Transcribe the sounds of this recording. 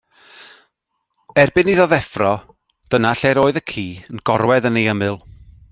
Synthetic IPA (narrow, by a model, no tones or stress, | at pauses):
ɛrbɨniðɔðɛfrɔ | d̥ənaɬɛɾoːɨðəkʰiːənɡ̥ɔrwɛðənejəmɨlˠ